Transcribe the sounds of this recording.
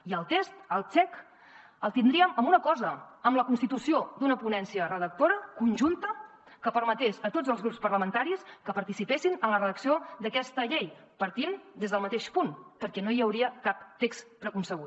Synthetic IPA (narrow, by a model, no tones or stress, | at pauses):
iəlˠt̪est̪əlˠt͡ʃɛk | əlˠt̪ind̪ɾiəməmunəkɔzəəmləkunst̪it̪usiod̪unəpunɛnsiərəðək̚t̪oɾəkunʲʒunt̪ə | kəpəɾmət̪esət̪od͡zəlˠzɣɾupspəɾləmənt̪aɾiskəpəɾt̪isipesinənlərəðəksiod̪əkɛst̪əʎej | pəɾt̪ind̪ezðəlˠmət̪eʃpunpəɾkɛnoiəwɾiəkap̚t̪ekspɾəkunsəɣut̪